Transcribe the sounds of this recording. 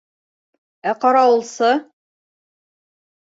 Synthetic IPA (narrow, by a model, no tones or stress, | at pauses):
æqɑɾɑwɤ̆lˠsɤ